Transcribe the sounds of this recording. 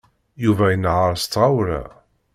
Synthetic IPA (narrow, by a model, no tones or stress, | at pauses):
juvæjənʕaɾˤst̪ːʁawɾæ̰